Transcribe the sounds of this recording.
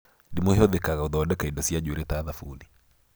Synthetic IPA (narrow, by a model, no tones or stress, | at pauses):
dimoɦeɔðekaɣauðɔdɛkaidɔsiad͡ʒeɾetaðafuli